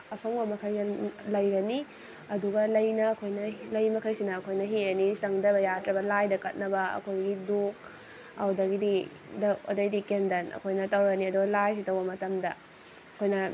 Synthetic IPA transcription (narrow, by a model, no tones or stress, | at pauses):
ɐpʰɐŋbɐmɐkʰɐjɐlɐjɾɐni | ɐduɡɐlɐjnɐːkʰojnɐlɐjmɐkʰɐjsinɐːkʰojnɐɦienisɐŋdɐbɐjatɾɐbɐlajdɐkɐt̚nɐbɐɐ̰kʰojɡiduk̚ | hɐwdɐɡidi | dɐɐ̰dɐjdikendɐnɐ̰kʰojnɐtɐwɾɐɡniɐduɡɐlajs̬itɐwbɐmɐtɐmdɐ | ɐkʰojnɐ